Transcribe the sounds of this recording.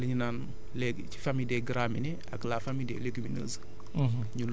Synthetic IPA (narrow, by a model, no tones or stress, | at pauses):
liɲunaːn | lɛɡt͡ʃi̥famidɛːɡɾaːminɛ | ɐ̰klaːfamidɛ̰ːleɡiminə̰ːs | ɲul